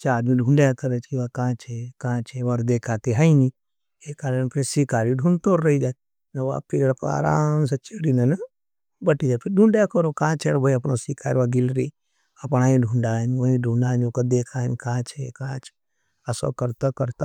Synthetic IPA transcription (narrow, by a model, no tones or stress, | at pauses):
t͡ʃaːɾmĩɖʱũɳɖjakɐɾət͡ʃkiʋakãːt͡ʃʰekãːt͡ʃʰeʋɔɾd̪eːkʰaːt̪iɦaini | ekaːɾənpʰiɾsikaːɾiɖʱunt̪oːɾːɐid͡ʒaːt̪̚ | nɐʋa̰pʰiɾepa̰ːɾa̰ːms̬ɐt͡ʃeɽinɐn | bɐʈid͡ʒaːt̪pʰiɾɖʱuɳɖjakəɾokãːt͡ʃʰeɽbʱəiɐpnosikʰaːɾiʋaɡilɾi | ɐpñaːĩɖʱũɳɖaɦənʋɐĩɖʱuɳɖaːnokad̪eːkʰaɦənkãt͡ʃʰekãːt͡ʃʰe̥ | ɐso̰kɐɾt̪akɐɾt̪a